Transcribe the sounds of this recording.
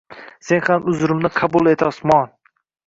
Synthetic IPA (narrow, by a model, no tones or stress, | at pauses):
se̞nhamʊzɾɪmnɪqʰɑbulˠe̞t̪ʰɒsmɒn